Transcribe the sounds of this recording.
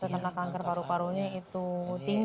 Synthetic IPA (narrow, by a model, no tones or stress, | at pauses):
t̪ənt̪ənakaŋkərpaɾupaɾuɲeit̪ut̪iŋ